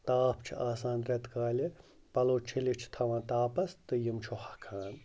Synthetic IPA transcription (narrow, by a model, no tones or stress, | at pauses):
t̪aːpʰt͡ʃʰiaːsaːnɾɛt̪kaːlʲi | pɐloːt͡ʃʰilit͡ʃʰt̪ʰɐʋãːt̪aːpɐst̪ɨjimt͡ʃʰohɐ̥kʰaːn